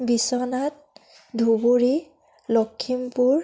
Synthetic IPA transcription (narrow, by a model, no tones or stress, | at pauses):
bisɔnat̚ | dʱubuɹi | lɔkʰːimpuɹ